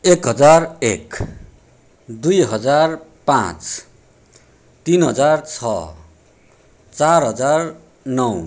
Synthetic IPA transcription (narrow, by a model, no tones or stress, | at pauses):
ekɦʌd͡zarḛk | d̪ujɦʌd͡zarpã̰t͡s | t̪inɦʌ̰d͡zart͡sʰʌ̰ | t͡sarɦʌd͡zar | nʌw